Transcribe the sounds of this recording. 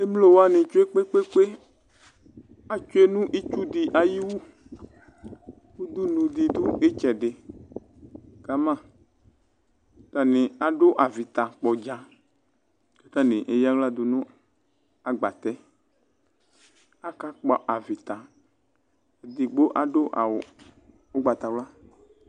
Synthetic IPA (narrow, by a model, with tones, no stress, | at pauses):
e˦mlo˦wo˦a˦nẽ˨t͡ʃo˦e˦k͡pe˦k͡pe˦k͡pe˦ | a˨t͡ʃo˦e˦nũ˦ʔi˦t͡ʃu˦d̪i˨ʔa˨ji˦wu˦ | wu˦d̪u˦nũ˨d̪i˨d̪u˦e˦t͡ʃɛ˨ɖe˨ | ka˨mã˦˨˦ | t̪a˨nẽ˨a˨ɖo˦ʔa˨vi˨t̪a˨k͡pɔ˨d͡ʒa˨ | kḁ˨t̪ã˦nẽ˨ʔe˨ja˦wla˦d̪o˨nʊ̃˦ | a˨ɡ͡ba˨t̪ɛ˦ | a˦ka˦k͡pɔ˨ʔa˨vi˨t̪a˨ | d̪i˨ɡ͡bo˦ʔa˨ɖo˦ʔa̰˨w | o˦ɡ͡ba˨t̪a˨wla˦